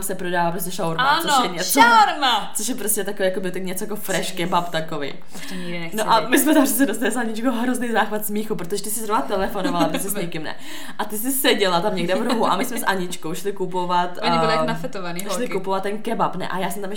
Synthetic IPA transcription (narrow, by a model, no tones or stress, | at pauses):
msɛpɾodaːvaːpɾos̬cɛʃawɾmant͡sooʃjɛɲɛt͡saɾmat͡soʃjɛpɾostcɛt̪akovijakobɪt̪ɛkɲɛt͡sojakofɾɛʃkɛbapt̪akovɛ̰j | t̪ɛɲiɡdɪnɛnoʔamɪsmɛt̪ampsɛt͡sːɛdost̪alɪsaɲɪt͡ʃkowɦɾoznɛjzaːxvat̪smiːxupɾot̪oʒɛt̪ɪsɪzɾovnat̪ɛlɛfonovalapɾstɛsɲɛkɪmnɛ̰ | ʔat̪ɪs̬ɪsɛɟɛlat̪amɲɛɡdɛvdomuʔa̰mɪsmɛsʔaɲɪt͡ʃkowʃlɪkupovat̪oɲɪɪlɪjakonafɛt̪ovaniʃlɪkkupovat̪̚ːɛnkɛbapnɛ̰ʔa̰jaːsɛmt̪amɛ